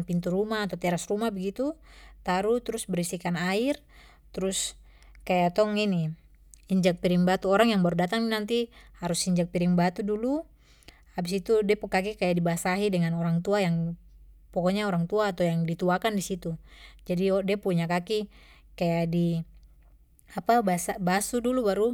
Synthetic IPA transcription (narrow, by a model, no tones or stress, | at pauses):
npint̪uɾumaːt̪at̪ɛɾasrumabəɡit̪ut̪aɾut̪ɾʊsbəɾisikanair | t̪ɾʊs | kajat̪ɔŋini | iɲd͡ʒak̚piɾiŋbat̪uɔɾaŋjaŋbaɾudat̪aŋnant̪ihaɾusiɲd͡ʒak̚piɾiŋbat̪udulu | habisit̪udipəkakikajaʔdibasaɦidəŋanoɾaŋt̪uajaŋ | pɔkɔɲaoɾaŋt̪uaːt̪ajaŋdit̪uakandisit̪ud͡ʒadidiapuɲakaki | kajadi | apabasabasudulubaɾu